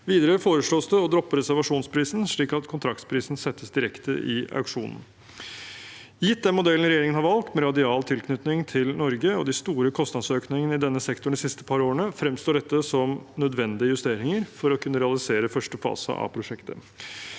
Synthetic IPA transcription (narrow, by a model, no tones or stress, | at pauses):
ʋiːd̪əɾəfoːɾəʂɭoːsd̪əɔd̪ɾɔpːəɾɛsæɾʋɑʂuːnspʰɾiːsn̩ʂɭiːkɑt̪kʰʊnt̪ʰɾɑk̚t̪spʰɾiːsn̩sɛt̪ːəsd̪ɪɾɛkt̪ə̰ʔɪ̰ɑ̰ʉkʂuːnn̩ | jɪt̪̚d̪ɛnmʊd̪ɛlən̩ɾɛjeːɾɪŋənhɑɾʋɑlk̚t̪mɛɾɑd̪ɪɑːlt̪ʰɪlkʰnʏt̪nɪŋt̪ʰɪlnɔɾɡəɔd̪ɪst̪uːɾəkʰɔst̪ɑnsøːknɪŋən̩ɪd̪ɛnːəsɛkt̪ʊɳɖ̪sɪst̪ə̥pʰɑɾoːɳəfɾɛmst̪oːɖɛt̪ːəsɔmnœd̪ʋɛnd̪ɪəjʉst̪eːɾɪŋəɾfɔɾɔkʰʉnːəɾɛɑlɪseːɾəfœʂʈəfɑ̰ːsə̰ʔɑ̰pʰɾʊʂɛkt̪ə̰